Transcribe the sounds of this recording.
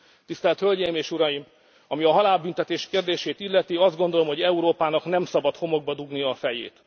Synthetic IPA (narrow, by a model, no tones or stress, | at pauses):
t̪ist̪ɛlt̪hølɟɛjimeːʃuɾɒjim | ɒmiɒɦɒlaːlbynt̪ɛt̪eːʃkeːrd̪eːʃeːt̪ilːɛt̪iɒzd̪ɡo̞nd̪o̞lo̞mho̞ɟɛuɾoːpaːnɒknɛmsɒbɒt̪ho̞mo̞ɡ̚bɒd̪uɡniɒfɛjḛːt̪